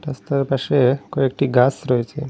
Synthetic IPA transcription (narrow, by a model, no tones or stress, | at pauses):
ʈəst̪əɾpaʂekoek̚ʈiːɡasɾojt͡ɕe